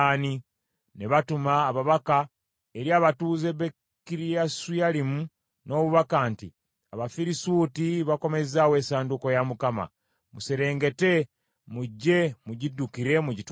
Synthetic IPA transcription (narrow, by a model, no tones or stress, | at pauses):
ni | ne̞βatumaːβaβaka | eɾjaːβatuːze̞βe | kiɾiasujalimu | no̞ːβuβakaːnti | aβafiɾisuːtiβako̞me̞zaːwe̞ːsaːnduko̞jamukama̰ | museɾe̞ːŋɡe̞te̞ | muɟːe̞muɟidːukiɾe̞muɟit